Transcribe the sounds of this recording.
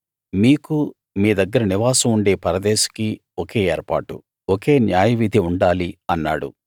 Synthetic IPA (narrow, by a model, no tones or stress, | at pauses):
miːku | miːd̪ɐɡːɐɾɐniʋaːsɐmuɳɖe̞ːpɐɾɐd̪eːʃɐ̥ki | oke̞ːeːɾpa̰ːʈṵ | oke̞ːnjaːjɐʋid̪ʱiuɳɖaːliɐnːa̰ːɽṵ